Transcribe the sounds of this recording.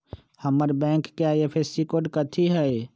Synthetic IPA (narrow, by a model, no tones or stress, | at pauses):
həməɾbɛ̃ŋkːeaepʰesikoɖkət̪ʰiɦɛe